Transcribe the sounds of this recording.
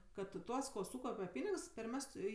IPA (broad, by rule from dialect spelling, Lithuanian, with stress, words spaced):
ˈkɐt ˈtuɔs koː ˈsuːkɐʊpʲɛ ˈpʲiːnʲɪks pʲɛrʲˈmʲæːstʊ ɪ